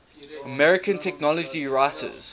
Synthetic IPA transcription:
əmɛɹɪkʰə̃ntʰɛk̚nɔləd͡ʒiɹaɪtʰə̰z̥

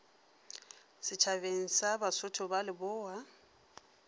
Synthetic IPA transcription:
sɪt͡ʃʰaβeŋ̩sabasʊtʰʊbalɪbʊːwa

